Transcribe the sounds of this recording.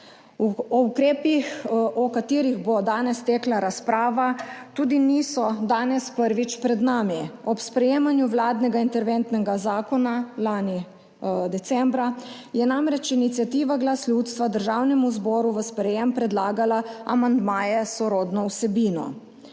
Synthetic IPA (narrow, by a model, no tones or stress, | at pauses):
ɔukɾeːpixɔkat̪iːɾiɣbɔd̪aːnɛst̪ɛːklaɾaspɾaːʋat̪uːd̪iniːsɔd̪aːnɛspəɾʋit͡ʃpɾɛd̪naːmiɔpspɾɛjeːmanjuʋlaːd̪nɛɡaint̪ɛɾʋɛnt̪nɛɡazaːkɔnalaːni | d̪ɛt̪sɛmbɾa | jɛnamɾɛt͡ʃinit̪sjat̪iːʋaɡlaslʲjut̪st̪ʋad̪əɾʒaːwnɛmuzbɔːɾuʋəspɾɛjempɾɛd̪laːɡalaa̰mand̪maːjɛsɔɾoːd̪nɔwsɛbiːnɔ̰